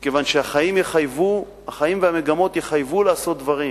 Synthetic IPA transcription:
mikevanʃeaχajimjeχajvu | haχajimveame̞ɡamo̞t̪jeχajvulaːso̞t̪̚d̪vaʁim

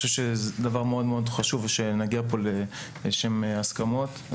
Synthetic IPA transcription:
ʃevʃezd̪avaʁmeo̞d̪meo̞d̪χaʃuveʃenaɡiapo̞le | ʃe̞measkamo̞t̪

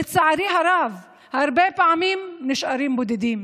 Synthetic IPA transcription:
ɪt̪saʕaɾiːɦɑɾˤɑːv | hɑɾˤbeːpʕamiːmnɪʃʔɑɾiːmbʊd̪ɪd̪iːm

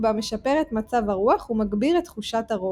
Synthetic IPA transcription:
bame̞ʃapeʁet̪mat͡savhaʁuaχumaɡbiʁet̪χuʃataʁo

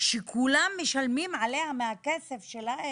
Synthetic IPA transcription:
ʃekʰulamːeʃalmimʕalehameakesefʃelae

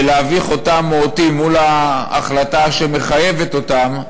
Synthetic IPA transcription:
leaviχo̞tamootimːula̰ːχlataʃeme̞χajeve̞t̪o̞t̪am

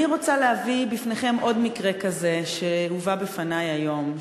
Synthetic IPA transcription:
iʁo̞t͡saleavibifneχe̞mʔo̞dmikʁe̞kaze̞ʃeuvabefanajajo̞m

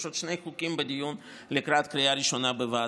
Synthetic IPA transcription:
ʃot̪ʃnejxukimbed̪ijun | lekɾat̪kɾijaɾiʃonabeva

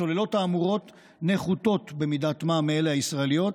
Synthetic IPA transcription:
o̞le̞lo̞taːmuʁo̞t | neχuto̞tbe̞midatmameelehaisʁaelijo̞t̚

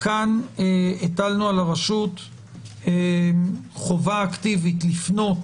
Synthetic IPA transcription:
kaneetalnualaʁaʃut | e | χovaːktivitlifno̞t

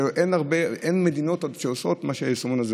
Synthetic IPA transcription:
ʔenaʁbeenme̞d̪ino̞todʃeoso̞tmaʃeajesomunaze

